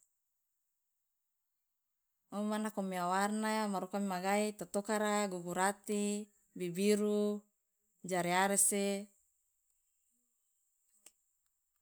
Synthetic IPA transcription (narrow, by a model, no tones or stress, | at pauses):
omanakomiawarnamaɾukamimaɡait̪at̪okaɾaɡuɡuɾat̪i | bibiɾu | d͡ʒaɾiaɾese